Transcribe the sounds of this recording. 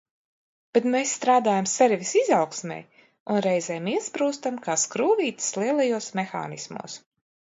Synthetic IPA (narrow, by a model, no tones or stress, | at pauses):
b̥ɛt̪mesːt̪ɾaːd̪aːjamsɛɾvʲisizawksmʲɛ̰j | unɾɛjzɛjmiɛspɾuːst̪amkaːskɾuːvʲiːt̪i̥slˠiɛlˠajuɔsmexa̰ːnismṵɔs